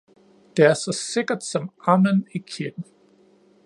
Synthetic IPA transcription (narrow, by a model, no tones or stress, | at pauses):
d̥eæɐsɒse̝ɡ̥ɐd̥sɒ̽mɑmənikʰid̥n̩